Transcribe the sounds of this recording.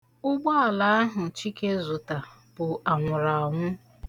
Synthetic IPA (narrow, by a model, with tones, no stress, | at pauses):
ʊ˦ɡ͡bɔ˦a˨la˨˦a˦ɦʊ˨t͡ʃi˦ke˦zʊ˨ta˨ | b̥ʊ˨a˨ŋʷʊ˨ɾa˨ŋʷʊ˦